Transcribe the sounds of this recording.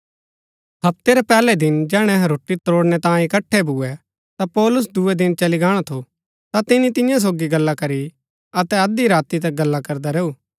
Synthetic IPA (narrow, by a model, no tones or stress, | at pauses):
hɐpt̪eɾɛpɛːlɛd̪ɪnd͡ʒɛːɽ̃ɛ̃ɦɾoːʈit̪oːɽnɛt̪ãːĩɪkɐʈʰːɛbʱuːɛ | t̪apɔːlʊs̬d̪ʊɛd̪ɪnt͡ʃɐliɡaːɽ̃at̪ʰo | t̪at̪ɪnit̪ɪ̃jãs̬oːɡiɡɐlːakɐɾi | ɐt̪ɛɐd̪iɾaːt̪it̪ɐk̚ɡɐlːakɐɾd̪aɾeːuː